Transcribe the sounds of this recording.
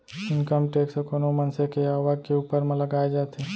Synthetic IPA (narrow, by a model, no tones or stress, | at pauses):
ɪnkəmʈeːksekoːnomɐnsekeaːʋad͡ʒkeuːpəɾmələɡaːed͡ʒaːt̪ʰe